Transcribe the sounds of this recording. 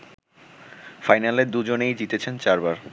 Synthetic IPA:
fajnaleɾd̪ud͡ʑonejd͡ʑit̪et͡ɕʰent͡ɕaɾbaɾ

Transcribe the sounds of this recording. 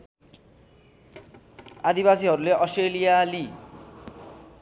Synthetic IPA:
ad̪ibasiɦʌɾuleʔʌsʈelijali

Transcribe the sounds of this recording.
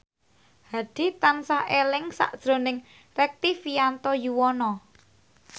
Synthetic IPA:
had̪̥i̤t̪ansahelɪŋsa̰ʔd̥ʒ̥ɾo̤nɪŋ | rɛk̚t̪ifiant̪ɔjuwɔnɔ

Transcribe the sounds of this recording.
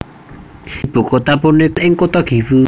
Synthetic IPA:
ib̥ṳkot̪apunɪɪŋkot̪ɔɡ̥i̤wu

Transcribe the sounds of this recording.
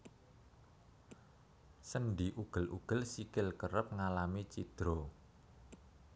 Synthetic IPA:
sənɖiʔuɡ̥ə̤lʔuɡ̥ə̤lsikɪlkəɾəp̚ŋalamit͡ʃid̪̥ɾo

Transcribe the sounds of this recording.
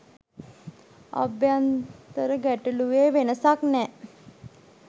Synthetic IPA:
a̰bjant̪əɾəɡæʈəluʋeːʋenəsaknɛ

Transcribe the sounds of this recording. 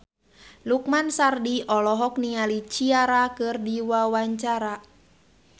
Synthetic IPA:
luk̚mansardiɔlɔɦɔk̚nialit͡ʃiaɾakɨrdiwawaɲt͡ʃaɾa

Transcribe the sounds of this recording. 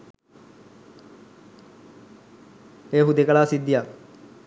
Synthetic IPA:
eːɦud̪ekəɭaːsid̪ːija

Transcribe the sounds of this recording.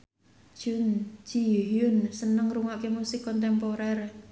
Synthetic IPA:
d͡ʒ̥und͡ʒ̥iɦjʊnsənəŋruŋaʔkemusɪkːɔnt̪̬ɛmpoɾɛr

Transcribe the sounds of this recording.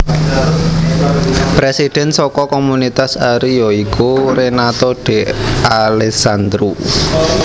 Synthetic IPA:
pɾesid̪̥ɛ̤nsɔkɔkɔmunit̪asaɾijɔikoɾenat̪ɔɖ̥e̤alɛsand̪ɾu

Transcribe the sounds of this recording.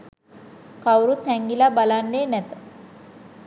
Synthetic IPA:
kawɾut̪hɛŋɡilabalanːeːnæt̪ə̥

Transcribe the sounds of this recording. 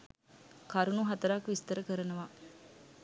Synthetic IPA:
kaɾunuɦat̪əɾaːkʋist̪əɾəkəɾənəʋa

